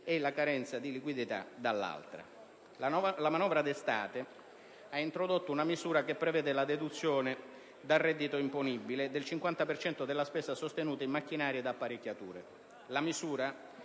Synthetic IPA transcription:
ɛlakaɾɛnt̪sad̪ilikwid̪it̪a̰d̪alːa̰lt̪ɾa̰ | lamanɔːvɾad̪est̪a̰ːt̪e | aint̪ɾod̪ot̪ːounamizuːɾakepːɾevɛːd̪ɪlad̪ed̪ut̪sːjoːne | d̪arːɛd̪ːit̪oimponibːiled̪elt͡ʃiŋkwant̪apert͡ʃɛnt̪od̪elːaspɛːsasost̪enuːt̪aimːakːinaːɾjed̪apːaɾekʲːat̪ṵːɾḛ | lamizuːɾa

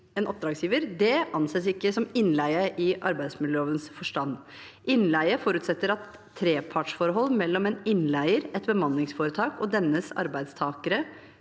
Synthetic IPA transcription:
eːnʔɔp̚d̪ɾɑːɡsjiːʋəɾd̪ɛʔɑnseːsɪkːəsɔmɪnlæɪəʔɪʔɑ̰ɾbæɪsmɪləoːʋənsfɔʂʈɑnː | ʔɪnlæɪəfɔɾʉːt̪sɛt̪ːəɾɑt̪ʰː | ɾeːpʰɑʈʂfɔɾəɦɔlːmɛlːɔmɛnɪnlæɪəɾɛt̪bəmɑnːɪŋsfoːɾət̪ʰɑːkɔd̪ɛnːəsɑ̰ɾbæɪd̪st̪ʰɑːkəɾə

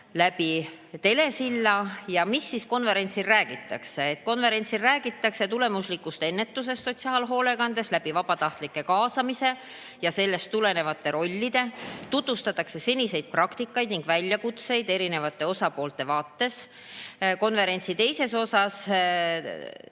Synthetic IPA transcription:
læbi | t̪e̞le̞silːɑjɑmisːisko̞nve̞ɾe̞nʲt̪silræːɡ̥it̪ːˑɑkse̞ːt̪̚ːˑko̞nve̞ɾe̞nʲt̪silræːɡ̥it̪ːˑɑkse̞t̪ule̞muslikːˑust̪e̞e̞nːe̞t̪ːˑus̬e̞stːo̞t̪ʲsiɑːlɦo̞ːle̞ɡɑnd̪̥e̞slæb̥ivɑb̥ɑt̪ɑht̪likːˑe̞kɑːsɑmise̞ | jɑse̞lːe̞st̪ːule̞ne̞vɑt̪ːˑe̞ɾo̞lʲːid̪̥e̞t̪ut̪vust̪ɑt̪ːˑɑkse̞se̞nʲise̞jd̪̥̚prɑkt̪ikːˑɑjd̪niŋɡ̥vælʲjɑkut̪se̞jd̪̥e̞ɾine̞vɑt̪ːˑe̞o̞sɑpo̞ːlt̪ːˑe̞vɑːt̪ːe̞s | ko̞nve̞ɾe̞nʲt̪sit̪e̞jse̞so̞sɑs

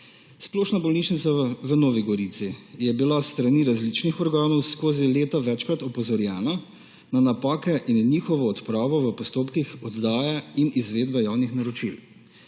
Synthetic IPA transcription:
sploːʃnabɔlnit͡ʃnit̪saʋənoːʋiɡɔɾit̪sijɛbilast̪ɾaniɾazlit͡ʃnixɔɾɡaːnɔwskoːzileːt̪aʋɛt͡ʃkɾat̪ɔpɔzɔɾjaːnɔ | nanapaːkɛʔinniːxɔʋɔɔt̪pɾaːbɔʋəpɔst̪oːpkixɔd̪d̪aːjainizʋeːd̪bɛjawnixnaɾɔt͡ʃil

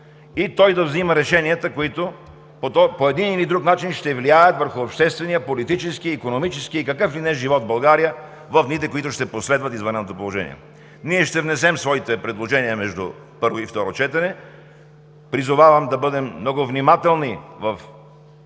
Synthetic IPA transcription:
it̪ɔjd̪ɐvziməɾɛʃɛniət̪əkoit̪o | pot̪ɔpoɛd̪inilid̪ɾuknat͡ʃinʃt̪ɛvliajət̪vəɾxʊɐpʃt̪ɛst̪vɛnijəpolit̪it͡ʃɛskiikonomit͡ʃɛsk̟iikɐkɤflinɛʒivɔt̪bɐlˠɡaɾijə | vɐfnit̪ɛkoit̪ʊʃt̪ɛposlɛd̪vɐt̪izvɐnɛnːot̪opolˠoʒɛ̰nḭɛ̰ | niɛʃt̪ɛvnɛsɛmsvɔit̪ɛpɾɛd̪lˠoʒɛnijəmɛʒd̪ʊ̰ | pɤɾvoift̪ɔɾot͡ʃɛt̪ɐnɛ | pɾizʊvavɐmd̪ɐbɤd̪ɛmːnɔɡʊvnimat̪ɛlˠnivɐf

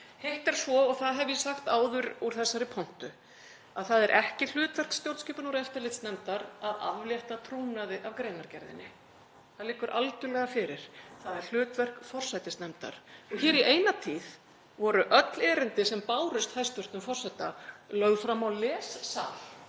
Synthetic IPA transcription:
heht̪ɛɾ̥svɔɔɣθaðɦɛvjɛsaxt̪aːwðʏɾuɾ̥θɛsːaɾɪpʰon̥t̪ʏ | aðθaðɛɾʔɛhcɪl̥ʏːt̪vɛr̥kst̪jowlt̪sciːpʏnuɾɛft̪ɪɾlɪt̪snɛmt̪aɾaða̰vvljɛht̪at̪ʰɾuːnaðɪʔavkɾeːjnaɾcɛɾðɪ̰nːɪ | θaðlɪːkːʏɾʔalt̪ʏlɛɣafɪɾɪɾ̥θaðɛɾ̥l̥ʏːt̪vɛr̥kfɔr̥sajt̪ɪst̪nɛmt̪a̰ɾ̥ɔçɛːɾiʔeːjnat̪ʰiːð | vɔɾʏʔœt̪lɛːɾɪnt̪ɪsɛmpaːwɾʏst̪hajst̪vʏɾ̥t̪ʏmfɔr̥sat̪alœɣfɾamːawlɛːssaːl

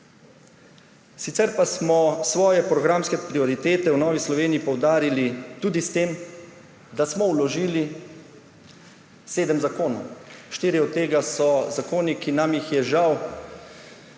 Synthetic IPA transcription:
sit̪sɛɾpasmɔsʋɔːjɛpɾɔɡɾamskɛpɾiɔɾit̪eːt̪ɛwnɔːʋislɔʋeːniipɔwd̪aːɾilit̪uːd̪ist̪em | d̪asmɔwlɔʒiːli | seːd̪əmzakoːnɔ̰wʃt̪iːɾiɔdt̪̚t̪ːeːɡasɔzakoːnikinamjixjɛʒaw

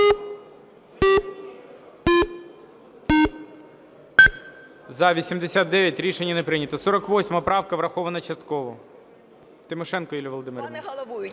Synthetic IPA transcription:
zɐʋʲisʲimd̪esʲat̪̚d̪ɛʋʲjɐtʲɾʲiʃenʲːɐnepɾɪnʲɐt̪ɔsɔɾɐkʋɔsʲmɐpɾɑwkɐʋɾɐxɔʋɐnɐt͡ʃɐst̪kɔʋɔ | t̪ɪmɔʃɛnkɔilʲɐʋɔlˠɔd̪ɪmeɾʋnɐ

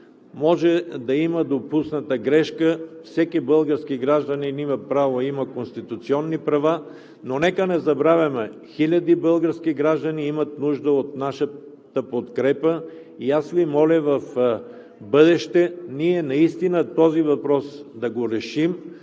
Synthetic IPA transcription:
mɔʒɛd̪ɐiməd̪opusnət̪əɡɾɛʃkəfsɛkibɤlˠɡəɾskiɡɾaʒd̪ɐninimɐpɾavoimɐkonst̪it̪ut̪siɔnːipɾɐva | nonɛkənɛzɐbɾavʲɐmɛxilʲɐd̪ibəlˠɡəɾskiɡɾaʒd̪ɐniimɐt̪nuʒd̪əot̪̚naʃə | t̪əpot̪kɾɛpə | iasvimɔlʲəvɐf | bəd̪ɛʃt̪ɛniɛnɐist̪inət̪ɔzivɐpɾɔsd̪ɐɡoɾɛʃim

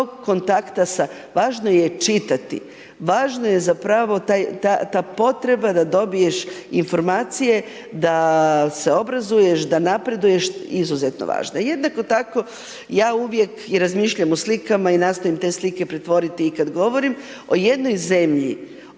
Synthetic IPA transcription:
oɡko̞nt̪akt̪asa | ʋaːʒno̞je̞t͡ʃit̪at̪ḭ | ʋaːʒnoje̞zapɾaʋo̞t̪ajt̪at̪aːpo̞t̪ɾe̞bad̪ad̪o̞bije̞ʃinfo̞ɾmaːt̪sije̞ | d̪ase̞o̞bɾazuje̞ʃd̪anapɾe̞d̪uje̞ʃizuze̞t̪no̰ʋa̰ːʒna̰je̞d̪nako̞t̪ako̞ | jaːuʋje̞kiɾazmiʃʎamoslikamainast̪oimt̪e̞ːslike̞pɾet̪ʋo̞ɾit̪iːkad̪ɡo̞ʋo̞ɾim | o̞jed̪no̞jze̞mʎḭ

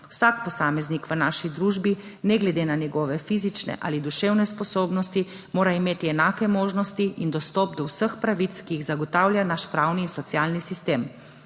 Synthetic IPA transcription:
wsaːkpɔsaːmɛznikʋənaːʃid̪ɾuːʒbinɛɡlɛd̪eːnanɛɡɔːʋɛfiːzit͡ʃnɛ̰ʔa̰ːlid̪uʃewnɛspɔsoːbnɔst̪i | moːɾaimeːt̪iɛnaːkɛmoːʒnɔst̪iʔind̪ɔst̪ɔpd̪ɔwsəxpɾaʋit̪skiiɣzaɡɔt̪aːwlʲjanaʃpɾawniːnsɔt̪sjalnisist̪eːm

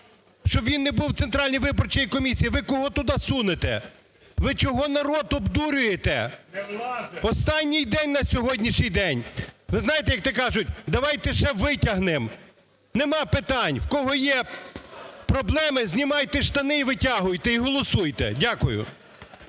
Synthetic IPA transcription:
ʃt͡ʃɔbʋʲinːebuwt̪sent̪ɾɑlʲnʲijʋɪbɔrt͡ʃijikɔmʲisʲijiʋɪkɔɦɔt̪ʊd̪ɑsunet̪ɛ̰ | ʋɪt͡ʃɔɦɔnɐɾɔd̪ɔbd̪uɾʲʊjet̪ɛ̰ | ɔst̪ɑnʲːijd̪ɛnʲnɐsʲɔɦɔdʲnʲiʃnʲijd̪ɛnʲʋɪznɑjet̪ɛjɐk̚t̪ɛkɑʒʊt̚ʲd̪ɐʋɑjt̪ɛʃɛʋɪtʲɐɦnɪm | nemɑpɪt̪ɑnʲwkɔɦɔjɛ | pɾɔblˠɛmɪzʲnʲimɑjt̪ɛʃt̪ɐnɪiʋɪtʲaɦʊjt̪ɛiɦɔlˠɔsujt̪ɛ̰dʲakʊjʊ̰

